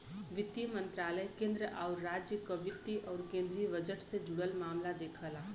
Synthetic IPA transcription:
ʋɪt̪jimə̃nt̪ɾaːləjkẽːnd̪ɾəʔaʊɾːaːd͡ʒjəkəʋɪt̪iʔɔːɾkẽːnd̪ɾiʋəd͡ʒəʈsed͡ʒʊɽəlmaːmlad̪eːkʰəlaː

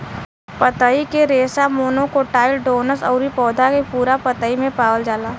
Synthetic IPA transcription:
pət̪əikeɾeːsamoːnõkoʈaːɪlɖoːnəsɔ̰ʊɾipɔːd̪ʱakepuːɾapət̪əimẽpaːwəld͡ʒaːlaː

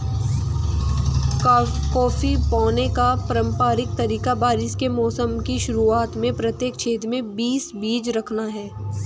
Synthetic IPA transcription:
kɔːfipɔːnekapɐɾə̃mpaːɾɪk̚t̪ɐɾiːkabaːɾɪskemɔːsəmkiʃʊɾuaːt̪mẽpɾɐt̪jeːkt͡ʃʰeːt̪ɾmẽbiːsbiːd͡ʒɾɐkʰnaɦɛː

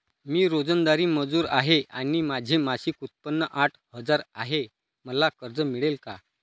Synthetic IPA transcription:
miːɾod͡zənd̪aɾiːməd͡zuːɾa̰ɦeʔaɽ̃iːmad͡ʑʱemaɕiːkut̪̚pənːəʔaʈʰhəd͡zaɾa̰ɦe | məlakəɾd͡zəmiɭelka̰

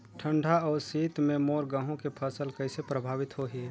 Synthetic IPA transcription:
ʈʰə̃ɳɖʱaɔːɾsiːt̪mẽmoːɾɡãːɦõkepʰəsəlkɐɪsepɾəbʱaːʋɪt̪ɦoɦi

